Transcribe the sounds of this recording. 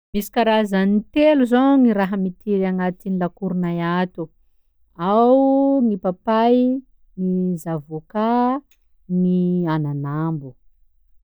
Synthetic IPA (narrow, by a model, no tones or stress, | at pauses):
misi̥kaɾazanit̪eluzoŋiɾaɦəmit̪iɾaŋat̪inilakuɾunajat̪u | awŋipapaj | nizavoka | niananambu